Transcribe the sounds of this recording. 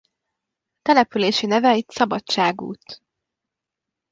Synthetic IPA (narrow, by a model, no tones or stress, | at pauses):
t̪ɛlɛpyleːʃinɛvɛit̪sɒbɒt͡ʃaːɡṵːt̪